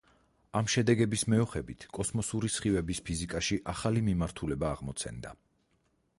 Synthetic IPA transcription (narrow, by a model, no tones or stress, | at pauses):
amʃɛd̪ɛɡɛbismɛɔχɛbit̪ʰkʼɔsmɔsuɾisχivɛbispʰizikʼaʃiʔaχalimimaɾt̪ʰulɛbaːʁmɔt̪sʰɛ̰nd̪a̰